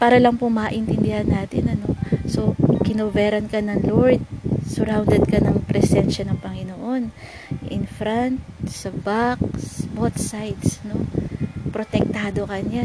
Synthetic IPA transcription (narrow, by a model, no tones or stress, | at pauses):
paːɾɐlɐŋpʊmaːʔɪnt̪ɪnd̪ɪhɐnːaːt̪ɪnɐno̞so̞kɪnovɛːɾɐnkɐnɐŋloɹd̪̚sʊɾawnd̪ɛd̪̚kɐnɐŋpɾɛsɛnʃɐnɐŋpɐŋɪnoʔo̞n | ʔɪ̰nfɾant̪sɐbak̚sbot̪sajd̪sno̞pɾo̞t̪ɛk̚t̪aːd̪o̞kɐɲa